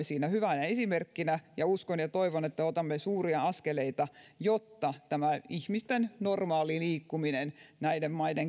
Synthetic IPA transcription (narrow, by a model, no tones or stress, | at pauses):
esiːnæhyʋænæesimerkːinæjɑuskonjɑt̪oiʋonet̪ːæot̪ɑmːesuːriɑɑskeleit̪ɑjot̪ːɑt̪æmæihmist̪ennormɑːliliːkːuminennæidemmɑideŋ